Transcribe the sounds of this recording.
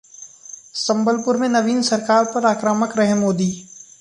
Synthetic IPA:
sɐ̃mbəlpʊɾmẽnɐʋiːnsɐɾkaːɾpɐɾaːkɾaːməkɾɐɦemoːd̪iː

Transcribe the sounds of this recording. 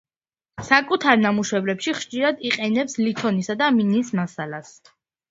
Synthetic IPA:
sakʼut̪ʰaɾnamuʃwɛblɛpʃiχʃt͡ʃʼiɾad̪iqʼɛnɛpslit̪ʰɔnisad̪aminiːsmasalas

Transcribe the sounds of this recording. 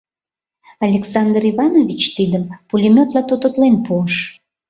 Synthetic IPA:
ɑlʲeksɑnd̪riβɑnoβʲit͡ɕt̪id̪əmpulʲimʲot̪lɑt̪ot̪ot̪lenpuəʃ

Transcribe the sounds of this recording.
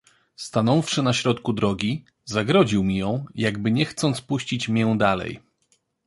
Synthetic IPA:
st̪anɔfʂɘnaɕɾɔt̪kud̪ɾɔɡʲi | zaɡɾɔʑiwmʲijɔ̃w̃jaɡbɘɲɛxt̪sɔnt̪spuɕt͡ɕit͡ɕmʲjɛ̃d̪alɛ̰j

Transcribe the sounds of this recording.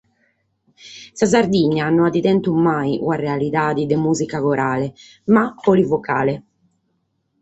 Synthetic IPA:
sazaɾd̪iɲːanɔnad̪it̪ɛnt̪umːajṵarealit̪aːd̪id̪emuːzikakoɾʔaːle | mapːɔlivokaːle

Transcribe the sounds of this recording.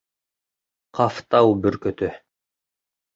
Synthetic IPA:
qʰɑft̪ɑwbɵɾkɵt̪ɵ

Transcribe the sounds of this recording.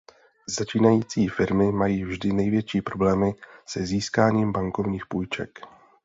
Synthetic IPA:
zat͡ʃiːnajiːt͡siːfɪɾmɪmajiːvʒdɪnɛjvjɛt͡ʃiːpɾo̞blɛːmɪsɛziːskaːɲiːmbaŋkovɲiːxpuːjt͡ʃɛ̰k

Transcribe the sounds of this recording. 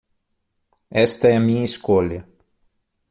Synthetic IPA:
ɛst̪ɐɛmĩɐiskolɐ

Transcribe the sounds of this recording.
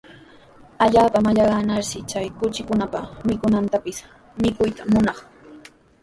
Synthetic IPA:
aʎaːpamaʎɑɢɑnaɾsɪt͡ʃajkʊt͡ʃɪkʊnapamɪkʊnant̪apɪs | mɪkʊjt̪amʊnɑχ

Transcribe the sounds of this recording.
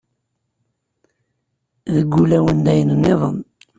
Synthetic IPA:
ðəɡʷːulæwənd̪æjənənːeðˤən

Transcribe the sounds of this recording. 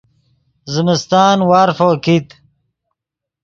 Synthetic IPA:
zəmist̪aːnwaːɾfokit̪

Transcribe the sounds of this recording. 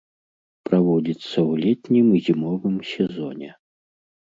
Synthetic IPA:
pɾavɔd͡zʲit̪sːɐwlʲɛtʲnʲimzʲimɔvɨmsʲɛzɔnʲɛ̰

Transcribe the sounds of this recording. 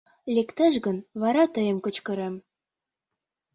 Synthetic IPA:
lekt̪ɘ̆ʃɣə̆nβɑɾɑt̪ə̆jə̆mkɤ̆t͡ɕkɤ̆ɾem

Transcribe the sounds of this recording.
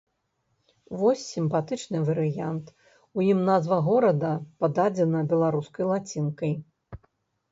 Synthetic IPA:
vɔsʲːimpat̪ɨt͡ʂnɨvɐɾɨjant̪ | ujimnazvɐɣɔɾɐd̪ɐpad̪ad͡zʲɛnɐbʲɛlˠaɾuskɐjlˠat͡sʲinkɐj

